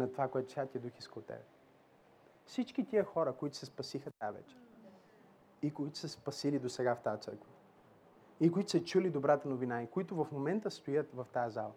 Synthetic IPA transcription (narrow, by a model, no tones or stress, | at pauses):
nɐt̪ovakoɛt̪ʊ̥t̪ʲjat̪iəd̪uxiskəlˠot̪ːɛ̰bɛ | fsit͡ʃk̟it̪iəxɔɾəkoit̪ʊ̥sɛspɐsixət̪ajəvɛ̰t͡ʃɛ̥ɾ | ikoit̪ʊ̥sɛspɐsilid̪osɛɡaft̪ajət̪sɤ̰ɾkvɐ | ikoit̪ʊ̥sət͡ʃulid̪obɾat̪ənovinaikoit̪ʊvɐfmomɛnt̪əst̪ojət̪vɐft̪ajɐzalˠɐ